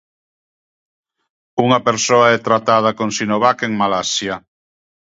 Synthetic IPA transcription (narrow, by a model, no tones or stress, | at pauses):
uŋapeɾsoaɛt̪ɾat̪að̞akoŋsinoβakeŋmalasja